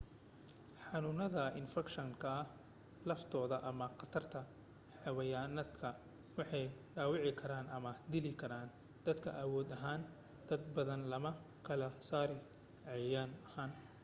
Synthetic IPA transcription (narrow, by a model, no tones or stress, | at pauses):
ħɑnʊnɐðɐɪ̰nfɛkʃɐŋkʰɐɐh | lɐft̪ʰɔːðɐʔɐmɐqɑt̪ʰɐrt̪ʰɐ | ħɑwɐjaːnɐd̪kʰɐ | wɑħɑjɖaːwɑʕɪkʰɐɾaːnʔɐmɐd̪ɪlɪkʰɐɾaːn | d̪̥ɐd̪kʰɐ̰ʔɐwɔːd̪ɐɦaːn | d̪̥ɐd̪bɐðɐnlɐmɐ | kʰɐlɐsaːɾɪ | ʕɛjaːnɐhaːn